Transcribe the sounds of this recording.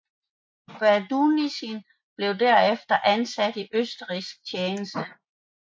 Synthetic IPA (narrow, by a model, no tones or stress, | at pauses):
b̥æd̥unisin | b̥le̝ʊdæɐ̰efd̥ɐʔænsæd̥iʔøsd̥əʁisɡ̥̚t͡sʰjeːnəsd̥ə